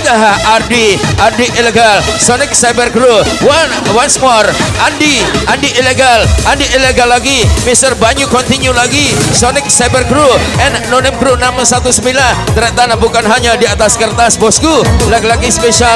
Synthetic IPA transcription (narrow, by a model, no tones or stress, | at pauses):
daɦaardiʔardiileɡalsɔnɪk̚sajbərɡɾuwanwansmɔrandiʔandiʔːleɡalʔandiʔːleɡalːaɡimisərbaɲukɔnt̪iɲulaɡisɔnɪk̚sajbərɡɾuɛnːonɪmɡɾunamsat̪usəmbilant̪əɾɛʔt̪anabukanɦaɲadiat̪askərt̪asbɔskulaɡilaɡispeʃa